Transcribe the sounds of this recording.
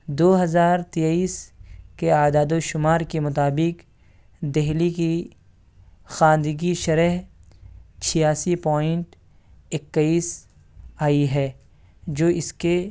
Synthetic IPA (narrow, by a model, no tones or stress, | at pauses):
d̪oːɦɐzaːɾt̪ejaːiːskeaːd̪aːd̪oʃʊmaːɾkemʊt̪aːbɪk | d̪ɛɦliki | xãːnd̪ɡiʃɐɾəɦ | t͡ʃʰijaːsipɔːɪ̃ɳʈ | ɪkːəiːs | aːiɦɛː | d͡ʒoːʔɪske